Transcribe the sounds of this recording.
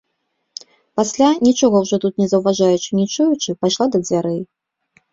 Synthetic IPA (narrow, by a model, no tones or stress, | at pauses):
pasʲlʲanʲit͡ʂɔɣɐwʐɔt̪ut̪nʲɛzɐwvaʐajut͡ʂɨnʲit͡ʂujut͡ʂɨpajʂlˠad̪ɐd͡zʲvʲaɾɛj